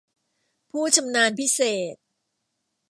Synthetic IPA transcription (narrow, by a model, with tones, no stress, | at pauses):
pʰuː˥˩t͡ɕʰa˧mnaː˧npʰi˦˥seː˨˩t̪̚